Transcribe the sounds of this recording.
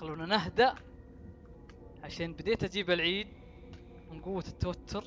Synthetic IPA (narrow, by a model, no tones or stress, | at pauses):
luːnanaɦd̪aʔ | ʕaʃeːnbɪd̪eːt̪ʔad͡ʒiːbɪlʕiːd̪̚ | mɪnɡʊwːat̪ːawat̪ʰːʊɾ